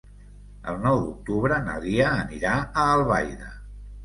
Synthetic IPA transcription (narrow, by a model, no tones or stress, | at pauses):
ə̰lˠnɔwd̪uk̚t̪uβɾəna̰ðiəːniɾaəːlˠβajðə